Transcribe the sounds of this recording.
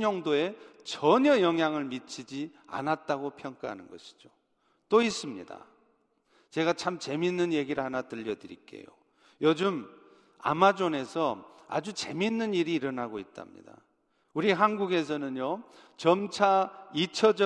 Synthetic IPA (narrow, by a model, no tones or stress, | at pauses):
ʌŋdoe̞t͡ɕʌɲʌjʌŋɦjaŋɯɭmit͡ɕʰid͡ʑia̰nat̚t͈aɡopʰjʌŋk͈aɦa̰nɯnɡʌ̰ɕʰi̥d͡ʑo | t͈ois͈ɯmɲḭda̰ | t͡ɕe̞ɡat͡ɕʰamt͡ɕe̞minːɯnje̞ɡiɾɯɭhanatɯʎːʌdɯɾik͈e̞̰jo̰ | jʌd͡ʑɯm | a̰mad͡ʑone̞sʰʌa̰d͡ʑut͡ɕe̞minːɯniɾiːɾʌnɦaɡoit̚t͈a̰mɲḭda̰ | uɾiɦanɡuɡe̞s̬ʰʌnɯnjo | t͡ɕʌmt͡ɕʰait͡ɕʰʌd͡ʑʌ